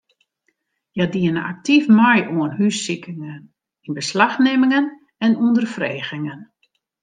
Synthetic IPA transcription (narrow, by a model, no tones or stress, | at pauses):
jadiənəa̰k̚tifmajʔuənhysikʰɪŋən | inbəslaxnemɪŋən | ɛnundərfreːɣɪŋən